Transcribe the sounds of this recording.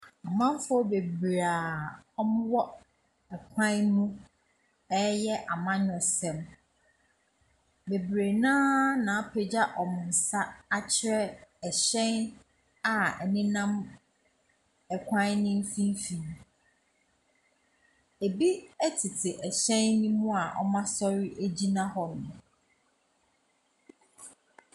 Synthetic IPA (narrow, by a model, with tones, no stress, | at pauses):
a˨mã˦m˦fɔ˦be˨bɾa˨ɔ˦mʊ̃˦wɔ˦ | ɛ˨kʷʰã˦n˦mũ˦ | ɛ˦jɛ˦ʔa˨mã˦ɲɔ̃˨sɛ̃˨m | be˨bɾe˨nãː˦nã˨a˦pʰe˨d͡ʑa˦ʔɔ˨mʊ̃˨n̩˨sa˦a˦t͡ɕʰɪ˦ɾɛ˦ɛ˨ɕɛ̃˦n | a˨ɛ˨nɪ̃˦nã˦m | ɛ˨kʷʰã˦nɪ̃˦m˦fĩ˦m˦fĩ˨n | e˨bi˦ɛ˦tʰɪ˨tʰɪ˨ʔɛ˨ɕɛ̃˦nːĩ˦mũ˦a˨ʔɔ̰˦mã˦sɔ˦ɾi˦ʔe˦d͡ʑi˦nã˦ɦɔ˨nʊ̃˨